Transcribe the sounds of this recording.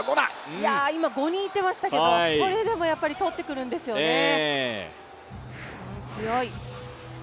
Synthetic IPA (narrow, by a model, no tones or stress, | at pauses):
ɡona̰jaimaɡo̞ɲ̟ĩːt̪ːe̞maɕi̥t̪ake̞d̪oso̞ɾe̞d̪e̞mo̞japːaɾʲit̪o̞t̪ːe̞kɯ̟ɾɯ̟̃nd̪e̞sɨjo̞e | mosɨjo̞i